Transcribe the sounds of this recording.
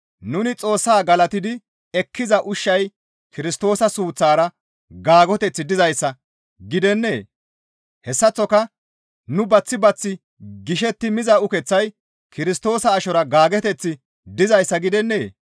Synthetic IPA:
nʊnɪt͡sʼo̞ːsːaːɡɐlɐt̪ɪd̪ɪ | ɛkʰːɪzɐʔʊʃːɐj | kɪɾɪst̪o̞ːsɐsuːt͡sːaːɾɐ | ɡaːɡɔt̪ɛt͡sːɪd̪ɪzɐjsːɐ | ɡɪd̪ɛnːe̞ː | hɛsːɐt͡sːɔkɐ | nʊbɐt͡sːɪbɐt͡sːɪ | ɡɪʃ̬ɛt̪ːɪmɪzɐʊkɛt͡sːɐj | kɪɾɪst̪o̞ːsɐːʃɔɾɐɡaːɡɛt̪ɛt͡sːɪ | d̪ɪzɐjsːɐɡɪd̪ɛnːe̞ː

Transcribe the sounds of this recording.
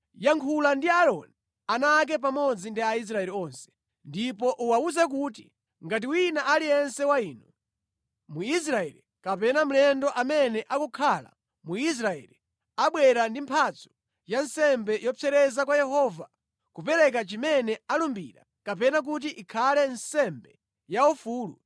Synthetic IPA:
jaŋkʰulandiaɾɔ̰ni | anak̬ɛp̬amɔd͡zindiais̬ɾaɛɾiɔnsɛ̥ | ndipɔʔuwauzɛk̬ut̬i | ŋɡat̬iwinaʔaliɛnsɛwaiːnɔ | muis̬ɾaɛ̰ɾi | kapɛnam̩lɛndɔʔamɛnɛʔakukʰala̰ | muis̬ɾaɛ̰li | aɓwɛɾandimpʰat͡sɔ̥ | jansɛmbɛjɔpʰɛɾɛzakwajɛhɔva | kupɛɾɛk̬at͡ʃimɛnɛalumbḭɾa̰ | kapɛnak̬ut̬iʔikʰalɛnsɛmbɛ | jaufuːlṵ

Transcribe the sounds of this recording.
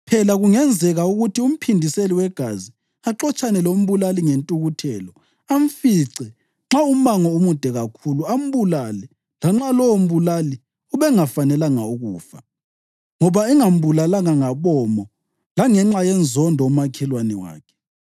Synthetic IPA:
pʰɛlaɣuŋɛnd͡zʱɛɣauɣutʰium̩pʰindʱiseliwɛɡ̥ʱazi | aǁɔt͡ʃʼanɛlom̩βulaliŋentʼuɣutʰɛːlɔ | aɱfiǀɛ | ŋ͡ǁaum̩βaŋɔumud̥ʱɛɣakʰuluam̩βulalɛ | laŋ͡ǁalɔwom̩βulali | uβɛŋafanɛlaŋauɣuːfa̰ | ŋɔβaɛŋam̩bulalaŋaŋaβɔmɔ | laŋɛŋ͡ǁajɛnd͡zʱɔndʱɔumakʰɛlwanɛwa̰ːkʰɛ̥

